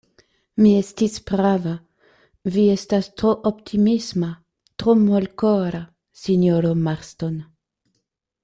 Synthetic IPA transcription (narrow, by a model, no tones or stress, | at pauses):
miestisb̥ɾava | vie̞stastɾoʔoptʰimisma | tɾomolkoɾa | sinoɾomaɾston